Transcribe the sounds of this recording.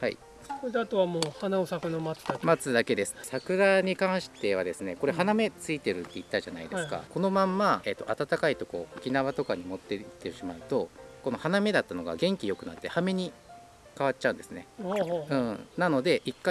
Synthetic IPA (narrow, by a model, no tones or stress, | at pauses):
ha̰ḭ | koɾed̪eat̪oβamoːhanaosakɯnamat͡sɨ̥d̪amat͡sɨd̪ake̞d̪e̞sɨ̥sakɯ̟ɾaɲ̟ikãɰ̃ɕi̥t̪e̞βad̪e̞sɨne̞ko̞ɾe̞ɦaname̞t͡sɨit̪e̞ɾɯ̟t̪ːe̞it̪ːaʑana̰id̪eɨ̥ka̰ko̞no̞mãmːae̞t̪ːo̞ʔat̪at̪akait̪o̞ko̞̰okʲinaβat̪o̞kaɲ̟imo̞t̪ːe̞t̪ːeɕimaɯ̟t̪o̞ko̞no̞haname̞d̪at̪ːano̞ɡa̰ɡẽ̞ŋkʲijo̞kɯ̟nat̪ːe̞hame̞ɲ̟i | kaβat͡ɕːt͡ɕaɯ̟̃nd̪e̞sɨne̞̰hɯ̃ːnano̞d̪e̞ʔikːa